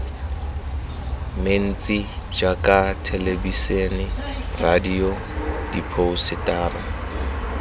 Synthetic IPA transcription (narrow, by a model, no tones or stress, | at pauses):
men̩t͡sʼid͡ʒakʼatʰelebisenɪradio | d̥ipʰoʊsɪtʼaːra